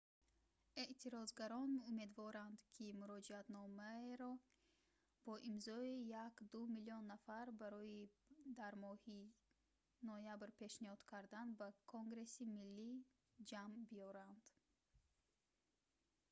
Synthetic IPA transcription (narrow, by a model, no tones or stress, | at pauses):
e̞ʔt̪ʰiɾɔzɡaɾɔnume̞d̪vɔɾand̪kʰimuɾɔd͡ʒiat̪nɔmaeɾɔ | b̥ɔʔimzɔijakd̪umiliɔnːafaɾbaɾɔid̪aɾmɔhi | nɔjabɾpe̞ʃnihɔd̪̥kʰaɾd̪anbakʰoŋɡɾe̞similːi | d͡ʒambiɔɾand̪̥